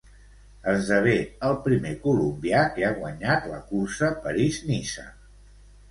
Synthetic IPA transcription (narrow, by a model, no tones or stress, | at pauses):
əzðəβ̞eəlˠpɾimekulumbiakeaɣwəɲat̪ləkursəpəɾiznisə̰